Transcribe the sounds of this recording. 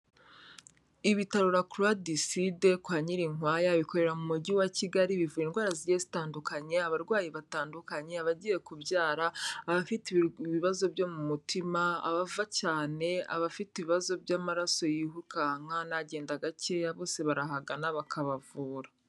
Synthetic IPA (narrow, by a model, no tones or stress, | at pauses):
iβitaɾuɾakluadiside̞kwaːɲiɾiŋwaːjaβiko̞ɾe̞ɾamumuɟiwaciɡaɾiβivuɾinɡwaːɾaziɟezitaːndukaɲe̞aβaɾɡwaːjiβataːndukaɲe̞aβaɟije̞kubjaːɾaːβafiteβiβazo̞bjo̞mumutʰimaa̰βavacaːne̞a̰βafitiβiβazo̞bɟaːmaɾaso̞jiɦukaŋ̥anaɟe̞ːndaɡace̞jaβo̞ːse̞βaɾaɦaɡanaβakʰaβavuːɾa